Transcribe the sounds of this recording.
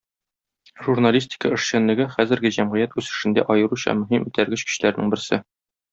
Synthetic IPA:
ʒurnalʲisʲtʲɪ̥kəɘ̆ʃɕænlːɘ̆ɡɘχæzɘ̆ɾɡɘʑæmʁɘ̆jæt̪ʉsɘ̆ʃɘ̆nd̪æ̰ʔɒjɤ̆ɾuɕɑ̰mɵ̆ɦimʉt̪æɾɡɘɕkɵ̥̆ɕlæɾnɘŋbɘ̆ɾsɘ

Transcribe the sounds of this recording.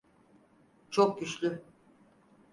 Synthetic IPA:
t͡ʃʰok̚ɟyt͡ʃlʲy

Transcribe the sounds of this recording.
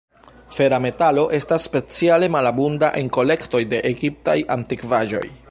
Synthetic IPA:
fe̞ɾame̞talo̞ʔe̞stasːpe̞t͡siale̞malabundaʔe̞ŋko̞le̞kto̞jde̞ʔeɡip̚tajʔantikvaʒo̞̰j

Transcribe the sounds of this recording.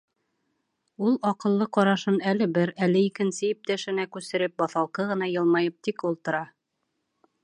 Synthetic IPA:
ulˠɒqɤ̆lˠːɤqɒɾɑʃɤnælɘ̆bɘɾælɘikɘ̆nsɘip̚t̪æʃɘ̆nækʉsɘ̆ɾɘp̚bɒθɑlˠqɤʁɤ̆nɑjɤ̆lˠmɑjɤp̚t̪ikulˠt̪ɤ̆ɾɑ

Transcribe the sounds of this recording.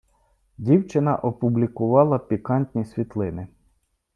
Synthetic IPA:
dʲiwt͡ʃɪnɐʔɔpʊblʲikʊʋɑlˠɐpʲikɑnʲt̪ʲnʲisʲʋʲit̪lˠɪnɪ

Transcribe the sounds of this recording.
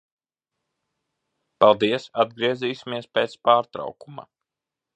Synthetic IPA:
palˠd̪iɛsad̪̚ɡɾiɛziːsʲimiɛspeːt̪spaːɾt̪ɾɑ̰wkuma̰

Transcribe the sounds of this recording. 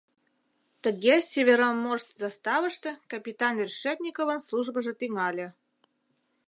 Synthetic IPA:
t̪ə̆ɣʲesʲevʲeɾomorst̪zɑst̪ɑvəʂt̪ə̆kɐpʲit̪ɑnʲrʲʂet̪ʲnʲikovə̆nslˠuʐbəʒə̆t̪iŋɑlʲĕ

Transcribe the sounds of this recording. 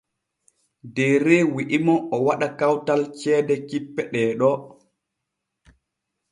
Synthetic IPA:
dɛːɾewiʔimɔɔwaɗakawtalt͡ʃɛːdɛkipːɛɗɛːɗɔ

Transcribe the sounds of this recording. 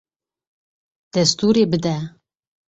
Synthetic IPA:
d̪̥ɛst̪uɾeːbɨd̪ɛ

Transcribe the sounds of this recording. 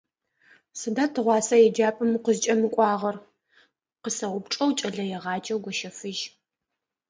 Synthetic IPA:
sɨdaːtʰɨʁʷɑːsɐjɛd͡ʒaːpʼɨmqəzt͡ʃʼɐmɨkʷʼɑːʁɐr | qəsɐwʷʊpʈ͡ʂʼɐwt͡ʃʼɐɮɐjɛʁɑːd͡ʒʼɐwɡʷɔʃɐfɨʒ

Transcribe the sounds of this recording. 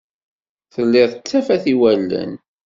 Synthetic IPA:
θəlːɪðˤət͡sːæfæθiwælːə̰n

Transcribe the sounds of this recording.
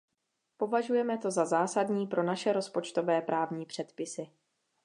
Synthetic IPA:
po̞vaʒujɛmɛt̪o̞zazaːsadɲiːpɾo̞naʃɛɾo̞spo̞t͡ʃt̪o̞vɛːpɾʔaːvɲiːpr̥ɛt̪pɪsɪ

